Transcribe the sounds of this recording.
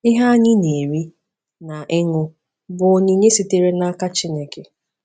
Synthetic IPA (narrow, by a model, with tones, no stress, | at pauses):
ɪ˦ɦa˦a˦ɲɪ˦ne˨ɾi˦ | na˨ʔɪ˦ŋʊ˦ | bʊ˨o˨ɲi˦ɲe˦si˨te˨ɾe˦na˦ka˦t͡ʃi˦ne˨ke˨